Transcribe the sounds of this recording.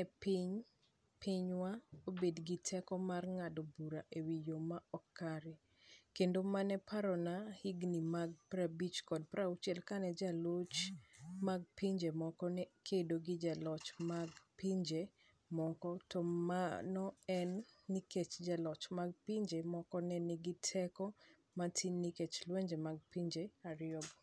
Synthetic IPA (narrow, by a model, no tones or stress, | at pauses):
ɛpiɲ | piɲwaobedɡitʰɛkɔmarŋadobuɾaʔewijomaɔkːaɾɪ | kendomanɛpʰaɾɔnahiɡnimaɡ̚pɾabit͡ʃkɔd̚pɾʔaut͡ʃɛlkanɛd͡ʒalot͡ʃmaɡ̚piɲd͡ʒemɔkɔnɛkʰedoɡɪd͡ʒalɔt͡ʃmaɡpiɲd͡ʒe | mɔkɔtɔmanɔɛnːiket͡ʃd͡ʒalɔt͡ʃmaɡ̚piɲd͡ʒemɔkɔnɛnɪɡɪtʰɛkɔ | matʰiniket͡ʃlweɲd͡ʒemaɡ̚piɲd͡ʒeaɾɪɔɡ